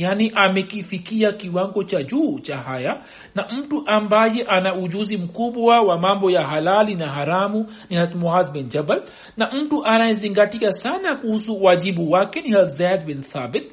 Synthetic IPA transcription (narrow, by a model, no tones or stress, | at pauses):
janiʔamɛkifikiakiwaŋɡɔt͡ʃaʄuːt͡ʃaɦaja | nam̩tuʔambajɛʔanauʄuzim̩kuɓwawamambɔjaɦalalinaɦaɾamu | nihat̪mɔazbind͡ʒabal | nam̩tuʔanajɛziŋɡatiasanakuhusuwaʄiɓuwakɛnihat̪zad̪̚binθabɪt̪̚